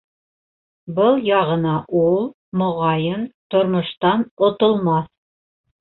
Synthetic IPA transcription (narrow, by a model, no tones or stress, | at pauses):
bɤlˠjɑʁɤ̆nɑʔulˠ | mŏʁɑjɤnt̪ŏɾmŏʃt̪ɑnŏt̪ŏlˠmɑθ